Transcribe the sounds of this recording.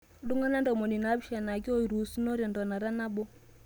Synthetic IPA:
du˦ŋa˦na˦ndɔ˨mo˨ni˨na˨˦bi˦ʃa˨na˨ɡi˦o˦i˨ɾu˨su˦no˦ɾjɔ˨ndɔ˨na˨ɾa˦na˦bo˦

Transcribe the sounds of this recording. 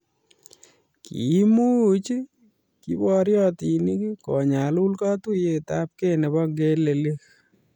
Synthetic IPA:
kḭ˨˦mu˦t͡ʃi˦ | ki˦bɔ˦ɾjɔ˦ti˨ni˦ki˦kɔ˨ɲa˨lu˦lka˦tu˦je˨ta˦p̚ke˦nɛ˨bɔ˦ŋɡe˦le˨le˦k

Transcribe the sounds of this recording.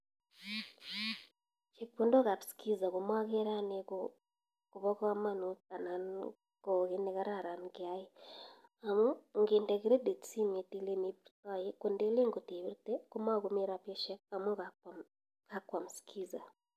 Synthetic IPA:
t͡ʃe˨kpu˦ndo˦ɣa˨βi˨ski˦za˨koma˦ɣe˦ɾa˦neko | kuβɔ˦ka˦ma˦nuta˨na˨n | ko˨ɣe˦neɣa˦ɾa˨ɾa˨nkjaje˦ | a˨mu˦ŋɡe˨nda˨ɣi˦ɾe˦de˨si˦me˨ti˦le˦ni˦βɾta˦jeku˨nde˦le˦ŋɡo˨te˨βi˦ɾteko˦ma˦ɣume˦ɾa˨pje˦ʃe˦kamo˦ɣa | ka˦kwa˨mu˨si̥kʰi˦za˨

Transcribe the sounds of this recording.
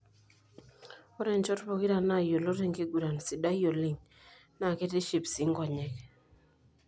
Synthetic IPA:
ɔ˦ɾɛ˨nt͡ʃɔ˦tbɔ˨ki˦ɾa˨na˦˨jo˨lo˦ɾe˨ŋke˦ɡu˨ɾa˨nsɪ˨da˦jo˨li˨ŋ | na˨ke˦te˦ʃi˨psi˨˦ŋɡɔ˨ɲɛ˨k

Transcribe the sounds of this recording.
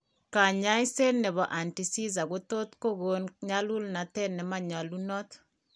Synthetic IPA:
ka˨ɲa˦i˦se˦nnɛ˨βɔ˨ʔa˨nti˨si˦za˨ɡo˦t̪o˦t̪ko˦ɡo˦nɲa˦lu˦lna˨t̪ɛ˦nːɛ˨ma˨ɲa˨lu˦nɔ˦t̪

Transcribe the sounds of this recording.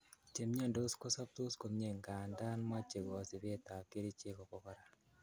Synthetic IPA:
t͡ʃe˨mɲa˦˨ndo˦sko˦sa˦p̚to˦sko˨m˦ɲe˦˨ŋɡa˨nda˦nma˦t͡ʃe˨ɡɔ˨si˨βe˦ta˨ke˦ɾi˦t͡ʃe˦kɔ˨kɔ˨kɔ˦ɾa˨

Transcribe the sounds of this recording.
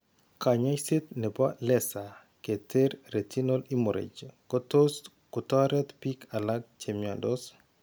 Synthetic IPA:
ka˨ɲa˦jse˦t̪̚nɛ˨ba˦lɛsa˨ | ke˨tʰe˦ɾɾe˨tʰi˦no˦li˦mo˨ɾḛ˨d͡ʒkɔtos | kɔ˨tɔ˦ɾɛt̪pikʰa˨la˦ɡ̚t͡ʃemjɔndɔ˦s

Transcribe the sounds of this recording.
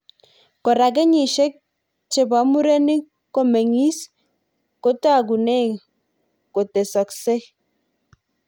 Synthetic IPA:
ko˨ɾa˨k̬ɛ˦ɲi˨ʃe˦k̚ | t͡ʃe˨ba˨˦mu˦ɾe˦ni˦ | ko˦me˨ŋi˦s | ko˦ta˦˨ɡ̬u˨ne˦˨ | ko˨te˨sɔ˨kse˦

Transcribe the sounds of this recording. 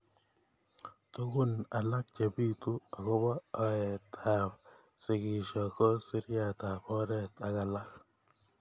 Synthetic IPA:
to˦ɡu˦na˨la˦k̚t͡ʃe˨bi˦tu˦a˨kɔ˦bɔː˦˨ɛ˨tʰa˨ | sɪ˨kɪ˨ʃɔ˨kɔ˦si˦ɾja˦˨ta˨pɔ˦ɾɛ˦˨t̪a˨ka˨la˦k̚

